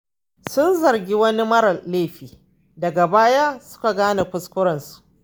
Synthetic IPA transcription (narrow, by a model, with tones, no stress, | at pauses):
sʊ˦nzɐ˨rɡʲi˦wɐ˦ni˦mɐ˦ɾɐ˨leː˦˨ɸiː˨ | dɐ˨ɡa˨baː˦ja˦sʊ̥˦ka˨ɡaː˦na˨ɸʊ˦skʷʊ˦ɾɐ˨nsu̥˨ʔ